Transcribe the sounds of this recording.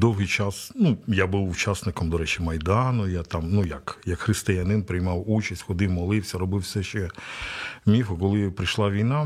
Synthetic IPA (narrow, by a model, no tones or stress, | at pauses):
d̪ɔwɦɪjt͡ʃɑsnujabuwʊt͡ʃasnɪkɔmd̪ɔɾɛt͡ʃɪmɐjd̪ɑnʊjat̪ɑmnujɐkjɐkxɾɪst̪ejɐnɪnpɾɪjmɑwut͡ʃɐsʲtʲxɔd̪ɪwmɔlˠɪwsʲɐɾɔbɪwsɛʃt͡ʃɛ | mʲifʊkɔlˠɪpɾɪʃlˠɑʋʲijna